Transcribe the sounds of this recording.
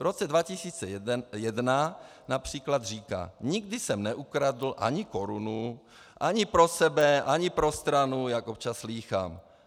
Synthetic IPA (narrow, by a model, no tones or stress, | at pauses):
vɾot͡sɛdvacɪsiːt͡sɛjɛdna | napr̝̥iːklad̪riːka̰ːɲɪɡdɪsɛmnɛʔukɾadl̩ʔa̰ɲɪko̞ɾunu | ʔaɲɪpɾo̞sɛbɛʔaɲɪpɾo̞st̪ɾanujakʔop̚t͡ʃasliːxa̰ːm